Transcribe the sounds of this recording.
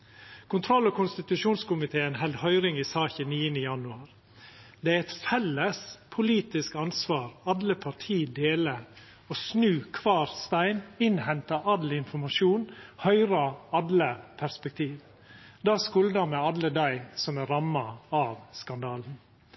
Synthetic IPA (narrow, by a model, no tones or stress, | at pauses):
kʰʊnt̪ʰɾɔlːɔkʊnst̪ɪt̪ʉʃuːnskʊmɪt̪ʰeːənɦɛld̪hœʏɾɪŋɪsɑːçəniːənəjɑnʉɑːɾ | d̪ɛæɾɛt̪fɛlːəspʰʊliːt̪ɪskɑnsʋɑːɾɑd̪ləpʰɑtʰiːd̪eːlə | osnʉːkʰʋɑːɾst̪æɪnɪnhɛnt̪ɑʔɑd̪lɪnfɔmɑʃuːnhœʏɾɑɑd̪ləpʰæɾspɛk̚t̪ʰiːʋ | d̪ɑːskʉld̪ɑmɛɑd̪ləd̪æɪsɔmæɾɑmːɑɑʋskɑnd̪ɑːln̩